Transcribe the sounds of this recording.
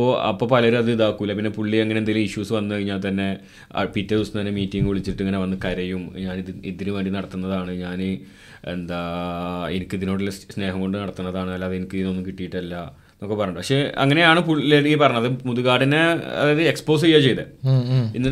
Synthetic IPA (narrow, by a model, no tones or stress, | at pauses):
ɐpoʔɐ̰pːopɐlɐoɾuɐðɨiðaːkːuilːɐpinːe̞puɭːieŋːɐneend̪ajilumiɕuːsɨʋɐnːɨkɐɻiɲːaːlt̪ɐnːe̞ | ɐ̰pitːɐusnɨt̪ɐnːemiːtːiŋɡɨuɭit͡ɕːiʈːɨŋːɐne̞ʋɐnːɨkɐɾɐjumɲaːniðiðinuʋeːɳɖinɐɽɐt̪ːunːɐðaːɳɨɲaːnɨ | ḛnd̪a | enikʲːɨiðinoːɽilːɐsne̞ːɦɐŋko̞ɳɖɨnɐɽɐt̪ːunːɐðaːɳɨɐlːaːðenikʲːɨðino̞nːumkiʈːijiʈːɐlːɐ | nːo̞kːepɐrɐɲːɖpɐkʂe̞ɐ̰ŋːɐne̞jaːɳɨpuɭleɽipɐrɐɲːmɐðɨmuðuɣaːɽineɐ̰ðeðɨekspo̞ːs̬ejaːt͡ɕe̞jt̪ɐinːɐ